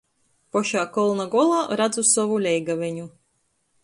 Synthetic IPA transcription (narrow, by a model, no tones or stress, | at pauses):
pɔʃaːkɔlˠnaɡɔlˠaːɾad̪zusɔvulʲɛjɡavʲɛɲu